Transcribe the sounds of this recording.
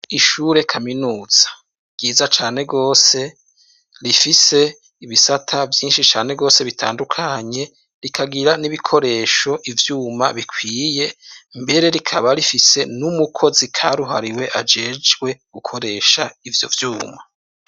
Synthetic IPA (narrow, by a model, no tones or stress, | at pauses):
iʃuːɾe̞kʰaminuːz̥ḁ | ɡ̥iːzat͡ʃaːne̞ɡo̞ːse̞ | ɾifise̞ | iβisatʰavjiːnʃit͡ʃaːne̞ɡo̞ːse̞βitʰa̰ːndukʰaɲe̞ | ɾikʰaɡiɾaniβikʰo̞ɾe̞ːʃo̞ʔivjuːmaβikʰwiːje̞mbe̞ɾe̞ɾikʰaβaɾifise̞numukʰo̞zikʰaɾuɦaɾiwe̞ʔad͡ʒe̞ːd͡ʒɡwe̞ɡ̥ukʰoɾe̞ʃaivjo̞̰vjuːma